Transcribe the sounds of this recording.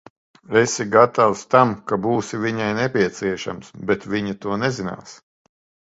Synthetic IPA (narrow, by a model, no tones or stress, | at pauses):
esiɡat̪awst̪amkabuːsivʲiɲajnepʲiɛt̪siɛʃa̰msbet̪vʲiɲat̪uɔnezina̰ːs